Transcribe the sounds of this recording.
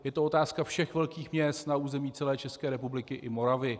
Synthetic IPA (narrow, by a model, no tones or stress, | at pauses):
jɛt̪oo̞t̪aːskafʃɛxvɛlkiːxmɲɛst̪nauːzɛmiːt͡sɛlɛːt͡ʃɛskɛːɾɛpublɪkɪʔɪmo̞ɾavɪ